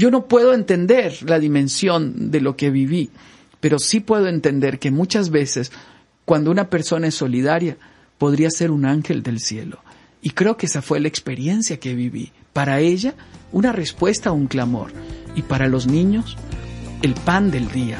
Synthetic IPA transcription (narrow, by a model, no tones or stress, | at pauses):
ɟ͡ʝo̞no̞pwe̞ð̞o̞e̞nt̪e̞nd̪e̞ɾlaðimẽ̞nsjo̞nd̪e̞lo̞ke̞βiβi | pe̞ɾo̞sipwe̞ð̞o̞e̞nt̪e̞nd̪e̞ɾke̞mũt͡ʃazβe̞se̞s | kwand̪ounape̞ɾso̞naesːo̞liðaɾja | po̞ð̞ɾiase̞ɾunaŋxe̞ld̪e̞lsje̞lo̞ | ikɾe̞okeesafwe̞laekspe̞ɾje̞nsjake̞βiβḭpaɾae̞ʝaunare̞spwe̞st̪auŋklamo̞̰ɾipaɾalo̞znĩɲo̞s | e̞lpand̪e̞ld̪ia